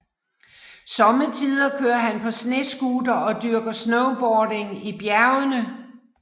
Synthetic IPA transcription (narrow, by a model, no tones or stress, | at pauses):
sɒ̽mət͡sʰiðˠɐkʰøːɐɦænpʰɒ̽sne̝sɡ̥uːd̥ɐʔɒ̽d̥yɐɡ̥ɐsnoʊb̥ɒːɾe̝ŋib̥jæɐʊənə